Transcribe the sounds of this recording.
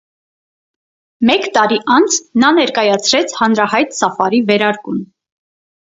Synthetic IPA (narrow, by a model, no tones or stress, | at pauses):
mɛkt̪ɑɾiʔɑnt͡sʰnɑnɛɾkɑjɑt͡sʰɾɛt͡sʰhɑnɾɑhɑjt̪sɑfɑɾivɛɾɑɾkum